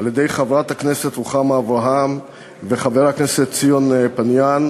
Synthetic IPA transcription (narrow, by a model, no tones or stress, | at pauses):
aljed̪e̞jχavʁat̪hakne̞set̪ʁuχameavʁaɦam | veχaveʁakneset̪t͡sijonpanjan